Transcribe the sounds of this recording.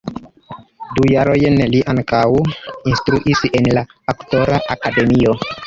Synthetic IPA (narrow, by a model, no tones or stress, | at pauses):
dujaɾojnliʔaŋkawinstɾuʔisenla | akto̞ɾaʔakade̞mio̞